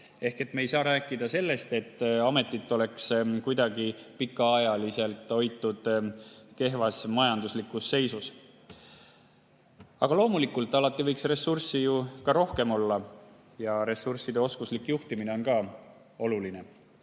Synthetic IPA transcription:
e̞hke̞t̪mejsɑːɾæːkːˑid̪̥ɑse̞lːe̞st̪e̞t̪ːɑme̞t̪ˑːit̪ːˑo̞le̞kskujd̪̥ɑɡipikːˑɑɑjɑlise̞lt̪ːˑo̞jt̪ːˑud̪̥ke̞ɦvɑsmɑjɑnd̪uslikːˑusːe̞jsus | ɑ̰ɡ̥ɑlo̞ːmulikːˑult̪ːˑɑlɑt̪ːˑivɤjksre̞sːursijukɑɾo̞hke̞mo̞lːɑ | jɑɾe̞sursid̪̥e̞o̞skuslikːjuht̪imine̞o̞nkɑː | o̞luline̞

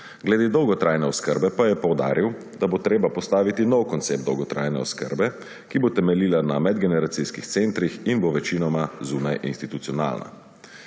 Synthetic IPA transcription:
ɡlɛd̪eːd̪ɔwɡɔt̪ɾajnɛɔskə̰ɾbɛpajɛpɔwd̪a̰ːɾiw | d̪abot̪ɾeːbapɔst̪aːʋit̪inɔwkɔnt̪seːp̚t̪ɔ̰wɡɔt̪ɾa̰jnɛ̰ɔ̰skə̰ɾbɛ | kibot̪ɛmɛliːlanamɛd̪ɡɛnɛɾat̪siskixt̪sent̪ɾixinboʋɛt͡ʃinɔmazuːnajʔḭnst̪it̪ut̪sijɔna̰ːlna̰

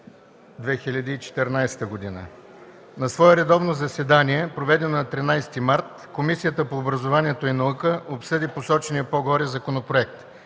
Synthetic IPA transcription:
d̪vɛxilʲɐd̪iːt͡ʃɛ̥t̪ɛɾnajst̪əɡod̪inə̰ | nɐsvɔɛɾɛd̪ɔvnozɐsɛd̪aniɛpɾovɛd̪ɛnonɐt̪ɾinajst̪imaɾt̪ | komisijət̪əpoːbɾɐzovanʲiɛt̪oinɐukəʔopsɤd̪iposɔt͡ʃɛnijəpoɡɔɾɛzɐkonopɾoɛk̚t̪

